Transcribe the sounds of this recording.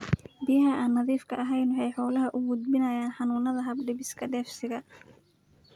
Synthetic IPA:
bɪjɐɦɐʔaːnːɐðiːfkʰɐʔɐɦɛjnwɑħɑjħɔːlɐɦɐʔʊɡʊd̪̚bɪnɐjaːnħɑnuːnɐðɐɦɐbɖɪβɪskʰɐɖɛːfsɪɣɐ

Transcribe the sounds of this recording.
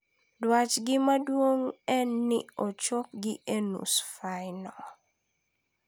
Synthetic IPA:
dwat͡ʃɡɪmadwoŋɛnːḭɔt͡ʃop̚ɡɪʔenṵsfajnɔ

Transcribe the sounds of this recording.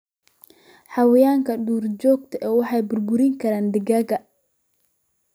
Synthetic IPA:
ħɑwɪjaːŋkʰɐɖuːrd͡ʒɔːɡ̚t̪ʰɐʔɛːwɑħɑjbʊrbʊɾɪŋkʰɐɾaːnd̪ɪɡɐːɣɐ

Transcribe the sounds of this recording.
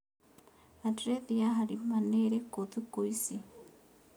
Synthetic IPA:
adɾeðijaɦaɾimaneɾekoðikoisi

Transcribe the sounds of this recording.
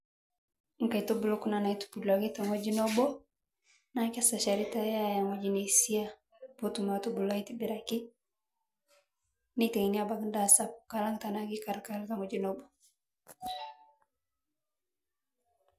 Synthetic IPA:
ŋ̩kaitɔbulɔkunanaitu̥pudaɡitaŋɔd͡ʒinɔbɔ | nakasaʃaɾitajajaŋɔd͡ʒiniisia | pɔtumatubulaitibiɾaki | nitɛŋiniabaɡndasapkalaŋtanaɡikaɾkalkaŋɔd͡ʒinɔbɔ

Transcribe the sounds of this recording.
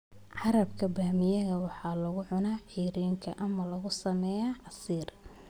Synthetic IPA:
ʕɑɾɐbkʰɐbaːmɪjɐðɐwɑħɑːlɐɣʊʕʊnaːħiːɾiːŋkʰɐʔɐmɐlɐɣʊsɐmɛːjaʕɑsiːr

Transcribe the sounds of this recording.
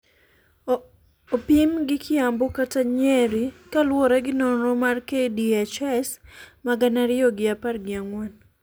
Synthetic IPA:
opimɡɪkʰɪambokataɲeɾikalwɔɾɛɡɪnonɾɔmarkediat͡ʃɛsmaɡanaɾɪoɡɪaparɡɪaŋwan

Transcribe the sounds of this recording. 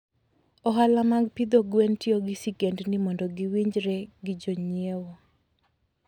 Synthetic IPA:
ɔɦalamaɡpid̪oɡwentioɡɪsiɡendnɪmɔndɔɡɪwiɲd͡ʒɾɛɡɪd͡ʒoɲiewo

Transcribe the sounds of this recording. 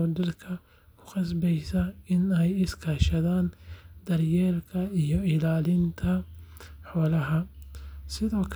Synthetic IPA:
ɔɖɪrkʰɐ | kʰʊ̥qɑsbɛjsɐɪnɛjɪskʰɐːʃɐðaːnd̪ɐrjɛːlkʰɐijɔɪlaːlɪnt̪ʰɐħɔːlɐɦɐ | sɪðɔːkʰ

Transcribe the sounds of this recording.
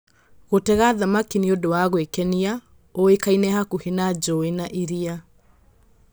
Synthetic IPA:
ɣotɛɣaðamakiniodowaɣwekɛnia | oekainɛhakuhenad͡ʒɔenaʔiɾia

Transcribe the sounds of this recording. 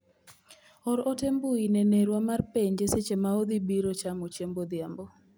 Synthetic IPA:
ɔɾɔtembuineneɾwamarpeɲd͡ʒeset͡ʃemaod̪ibiɾot͡ʃamot͡ʃembod̪jambo

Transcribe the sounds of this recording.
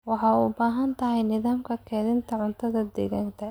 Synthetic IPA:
wɑħɑːubaːɦɐnt̪ʰɐɦɛjnɪðaːmkʰɐkʰɛːðɪnt̪ʰɐʕʊnt̪ʰɐðɐd̪ɛɣaːnkʰɐ

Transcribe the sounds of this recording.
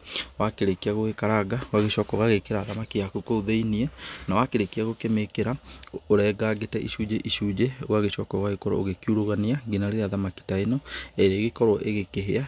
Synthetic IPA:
wakeɾekiaɣoɣekaɾaɣawaɣeʃɔːkɔɣaɣekeɾaðamakiakukouðeiniɛnawakeɾekiaɣokemekeɾaoɾɛːɡaɣetɛʔiʃud͡ʒeʔiʃuːd͡ʒeoɣaɣeɕɔkɔɣaɣekɔɾɔ̰oɣekiuɾoɣaneaɡinaɾeɾeaðamaki̥taenɔeɾeːɣekɔɾɔʔeɣekeɦea

